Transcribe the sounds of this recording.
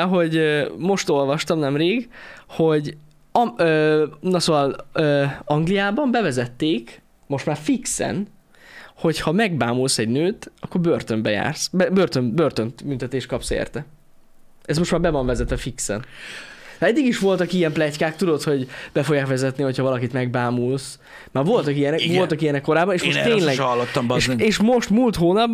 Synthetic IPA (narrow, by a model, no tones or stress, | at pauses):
ɒɦo̞ɟmo̞ʃt̪o̞lvɒʃt̪ɒmnɛmreːɡho̞ɟ | ɒmøːnɒsoːvɒløːɒŋɡlijaːbɒmbɛvɛzɛt̪ːeːk | mo̞ʃt̪maːrfiksɛ̰n | ho̞chɒmɛɡbaːmulsɛɟnøːt̪ɒkːo̞rbørt̪ø̞mbɛja̰ːrsbɛbørt̪ømbørt̪ø̞nt̪mynt̪ɛt̪eːʃt̪kɒpsḛːrt̪ɛ | ɛsmo̞ʃt̪maːɾbɛvɒɱvɛzɛt̪ɛfiksɛ̰nt̪ɛd̪ːiɡiʃʋo̞lt̪ɒkijɛmplɛckaːkt̪ud̪o̞t̪ho̞ɟb̥ɛfo̞ɡjaːkʋɛzɛt̪niho̞chɒvɒlɒkit̪mɛɡ̚baːmuls | maːrvo̞lt̪ɒkijɛnɛvo̞lt̪ɒkijɛnɛkːo̞ɾaːbɒneːʃmot̪eːɲlɛɡɒlːot̪ːɒmbʃeːʃmo̞ʃt̪mult̪ɦoːnɒb